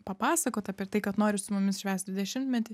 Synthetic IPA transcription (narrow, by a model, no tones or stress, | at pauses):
pɐpɑːsɐkoːt̪ɐpʲɛt̪ɐɪkɐt̪noːɾʲɪsʊmʊmʲɪsʃʲʋʲæːst̪d̪ʋʲɪd̪ʲɛʃʲɪmt̪mʲɛt̪ʲɪ